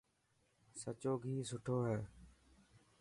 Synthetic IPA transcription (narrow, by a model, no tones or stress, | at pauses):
sət͡ʃoːɡʱiːsʊʈʰoːɦɛː